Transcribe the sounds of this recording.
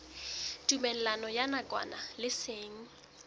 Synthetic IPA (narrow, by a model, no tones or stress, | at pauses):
tʼumɛn̩lanɔjanakʼwa̰nalɪseːŋ̩